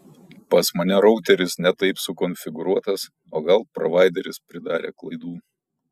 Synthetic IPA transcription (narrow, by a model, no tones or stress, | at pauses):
pɐsmɐnʲɛɾɔʊt̪ʲɛɾʲɪsnʲɛt̪ɐɪpsʊkɔnʲfʲɪɡʊɾuɔt̪ɐs | oːɡɐlˠpɾɔ̰ʋɑˑɪd̪ʲɛɾʲɪspʲɾʲɪd̪ɑːɾʲḛːklˠɐɪd̪uː